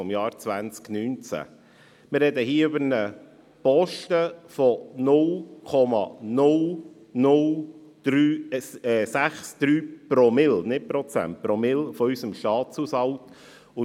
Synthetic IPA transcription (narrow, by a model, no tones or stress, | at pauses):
ɔmjɑːɾt͡sʋænt͡sknyːnt͡sæ̰ | mɪrɛd̪əhiːəøbəɾnə | pɔʃtəfɔnʊlkʰɔmɑ̰nʊl | nʊld̥ɾyː | sæχsd̪̥ɾyːpɾɔmɪlnɪt̚pɾɔt͡sæ̰nt̚pɾɔmɪlfɔysəmʃtɑːt͡sushɑlt | ʊ